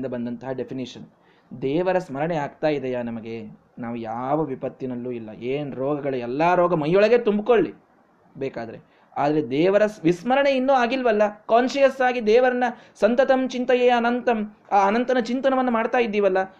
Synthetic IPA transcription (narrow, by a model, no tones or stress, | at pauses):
nd̪ɐbɐnd̪ɐnt̪ɐɦɐɖepʰiniʂɐn | d̪ɛːʋɐɾɐsmɐɾɐɳeaːɡt̪aːjid̪ɛjaːnɐmɐɡe̞ | naːʋujaːʋɐʋipɐt̪ːinɐlːuilːɐ̰ʔeːnɾɔːɡɐɡɐɭuɛlːaːɾɔːɡɐmɐjːɔɭɐɡe̞t̪umbko̞ɭːi | bɛːkaːd̪ɐɾe̞̰ | aːd̪ɐɾe̞d̪ɛːʋɐɾɐsʋismɐɾɐɳe̞inːuːaːɡilʋɐlːɐkaːnʃɐjɐsaːɡid̪ɛːʋɐɾɐnːɐ | sɐnt̪ɐt̪ɐmt͡ʃint̪ɐjeːɐnɐnt̪ɐm | aːnɐnt̪ɐnɐt͡ʃint̪ɐnɐmɐnːɐmaːɖt̪aːjid̪ːiːʋɐlːɐ